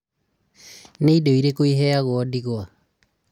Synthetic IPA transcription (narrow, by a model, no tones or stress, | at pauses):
neidoiɾekoiɦɛaɣwɔdiɣwa